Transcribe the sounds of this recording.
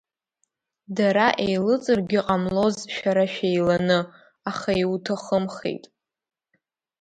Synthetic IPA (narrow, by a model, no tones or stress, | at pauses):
daɾaʔejlɨt͡sʼɨrɡʲɪqʼamlo̞zʃᶣaɾaʃᶣejlanɨ | aχaiutʰaχəmχḛjtʼ